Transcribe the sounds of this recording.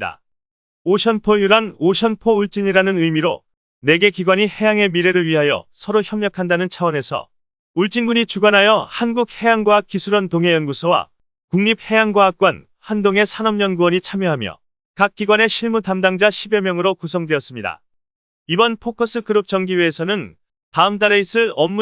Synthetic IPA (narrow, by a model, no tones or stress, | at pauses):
da̰ | oɕʰʌnpʰojuɾanoɕʰʌnpʰouɭt͡ɕ͈iɲiɾanɯnɯimiɾo̰ | ne̞ɡe̞kiɡwaɲihe̞jaŋe̞miɾe̞ɾɯɭɥiɦajʌ̰sʰʌɾoçjʌmɲʌkʰandanɯnt͡ɕʰawʌne̞sʰʌ̰ | uɭt͡ɕ͈inɡuɲit͡ɕuɡanɦajʌhanɡuk̚he̞jaŋɡwaak͈isʰuɾʌntoŋɦe̞jʌnɡusʰʌwa̰ | kuŋɲip̚he̞jaŋɡwaɦak̚k͈wan | handoŋe̞sʰanʌmɲʌnɡuwʌɲit͡ɕʰamjʌɦamjʌ̰ | kak̚k͈iɡwane̞ɕʰiɭmutamdaŋd͡ʑaɕʰibemjʌŋɯɾokusʰʌŋdweʌs͈ɯmɲida̰ | ibʌnpʰokʰʌs͈ʰɯkɯɾɯp̚t͡ɕʌŋɡiweːsʰʌnɯn | taɯmtaɾeis͈ʰɯʌmːu